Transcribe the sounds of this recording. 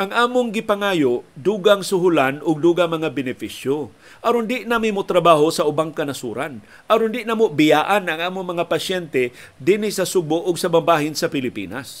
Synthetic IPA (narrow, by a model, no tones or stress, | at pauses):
ʔɐŋʔaːmʊŋɡɪpaŋaːjoʔd̪uːɡaŋsʊɦʊlanʔʊɡ̚d̪uːɡamɐŋabɪnɪfisjo | ʔɐɾond̪ɪʔnamɪmot̪ɾɐbaːɦosɐʔʊbaŋkɐnɐsuːɾan | ʔɐɾond̪ɪʔnamoʔbɪjaːʔanɐŋaːmʊŋmɐŋapɐsjɛnt̪ɛ | d̪inɪsɐsʊboʔʊɡsɐbambaːhɪnsɐpɪlɪpḭːna̰s